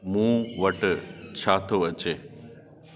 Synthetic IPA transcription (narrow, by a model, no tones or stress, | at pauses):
mũːʋɐʈt͡ɕʰaːt̪ʰoʋɐt͡ɕeː